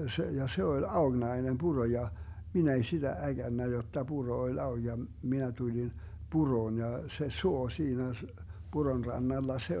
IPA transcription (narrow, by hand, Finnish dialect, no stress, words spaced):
se jɑ se olʲ ɑoɡ̊nɑi̯nem b̥uro jɑ minæ ei sid̥æ æɡ̊ænːæ jotːɑ b̥uro olʲ ɑoɡ̊ jɑ minæ tulin b̥uroːn jɑ se suo siːnæ s b̥uron rɑnːɑlːɑ se